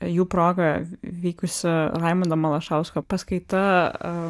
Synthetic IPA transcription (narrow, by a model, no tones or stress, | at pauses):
juːpɾoːɡɐʋʲiːkʊsʲɪlɐɪmʊnd̪ɐmɐlˠɐʃɐʊskɐpɐskɐɪt̪ɐ